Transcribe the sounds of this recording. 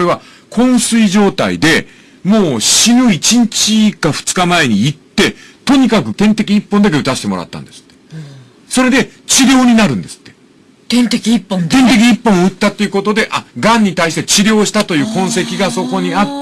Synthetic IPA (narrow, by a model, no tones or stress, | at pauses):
ɾe̞βa | kʰõ̞ɰ̃sɨiʑo̞ːt̪a̰ḭd̪e̞ | moːɕinɯ̟it͡ɕiɲ̟t͡ɕikaɸɯ̟̥t͡sɨ̥kamae̞ɲ̟iit̪ːe̞t̪o̞ɲ̟ikakɯ̟t̪ẽ̞nt̪e̞kʲiːpːõnd̪ak̬e̞ɯ̟t̪aɕi̥t̪emo̞ɾa̰t̪ːa̰nd̪e̞sɨ̥t̪ːe̥ | so̞ɾe̞d̪e̞t͡ɕiɾʲjo̞ːɲ̟inaɾɯ̟̃nd̪e̞sɨ̥t̪ːe | t̪ẽnt̪ekʲiipːõt̪ẽ̞nt̪e̞k̬ʲiːpːõ̞ɰɯ̟t̪ːat̪ːe̞iɯ̟ko̞t̪o̞d̪e̞ʔaɡãɲ̟ːit̪aiɕi̥t̪e̞t͡ɕiɾʲo̞ːɕi̥t̪at̪o̞jɯ̟ːkõ̞ɰ̃se̞kʲiɡaso̞ko̞ɲ̟iat̪ː